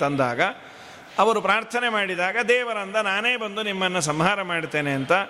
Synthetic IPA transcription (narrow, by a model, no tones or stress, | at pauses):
ɐnd̪a̰ːɡɐ | ɐʋɐɾupɾaːɾt̪ʰɐnemaːɽid̪aːɡɐd̪ɛːʋɐɾɐnd̪ɐnaːneːbɐnd̪unimːɐnːɐsɐmɦaːɾɐmaːɽt̪ːe̞ːneɐnt̪ɐ